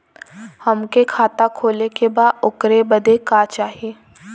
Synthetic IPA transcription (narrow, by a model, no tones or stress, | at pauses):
hɐmkekʰaːt̪akʰoːlekebaːd̪ʊkɾebəd̪ekaːt͡ʃaːɦieː